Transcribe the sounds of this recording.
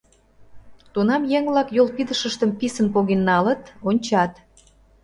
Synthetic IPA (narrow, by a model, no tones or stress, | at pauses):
t̪unɑmjeŋβlɑkjolpid̪əʃəʃt̪əmpisənpoɣenːɑlət̪onʲt͡ɕɑt̪